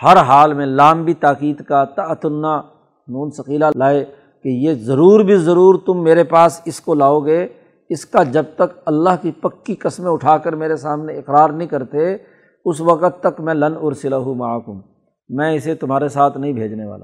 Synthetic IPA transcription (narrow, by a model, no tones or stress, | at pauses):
hɐɾɦaːlmẽlaːmbʱit̪aːkiːd̪kat̪ɐt̪ʊnːa | nuːnsɐqiːlalaːe | kejezɐɾuːɾbʱizɐɾuːɾt̪ʊmːeːɾepaːsɪskolaːoɡɐe | ɪskad͡ʒɐb̚t̪ɐkɐlːaːɦkipɐkːikɐsmẽʊʈʰaːkəɾmeːɾesaːmneɪqɾaːɾnɐɦĩkɐɾt̪e | ʊsʋɐqət̪ːɐkmɛ̃lɐnʊɾsɪlaɦumaakʊm | mɛ̃ɪset̪ʊm̤ɦaːɾesaːt̪ʰnɐɦĩbʱeːd͡ʒneʋa̰ːlaː